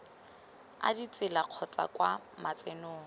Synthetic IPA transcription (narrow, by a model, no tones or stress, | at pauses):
a̰dit͡sʼɪlaq͡χʰɔt͡sʼa̰kwa | mat͡sʼenoːŋ̩